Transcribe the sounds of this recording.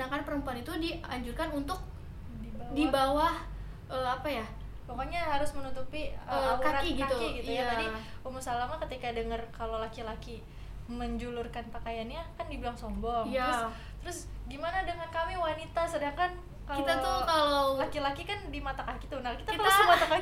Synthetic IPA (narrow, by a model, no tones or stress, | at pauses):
sədaŋkanpəɾəmpuanit̪udiaɲd͡ʒurkanunt̪ʊk̚ | idibawah | ʔəapaja | bokaɲaɦaɾʊsmənut̪upiəəkaɾaiɡiat̪uiɡit̪ujaad͡ʒadi | umusalamakət̪ikadəŋərkalowlakilaki | məɲd͡ʒulurkanpakajanɲakandibilaŋsɔmbɔŋjaʊ | t̪əɾʊsɡimanadəŋankamiwanit̪asədaŋkan | kakilt̪at̪okalolakilakikandimat̪akakit̪unakit̪apɾasimat̪aka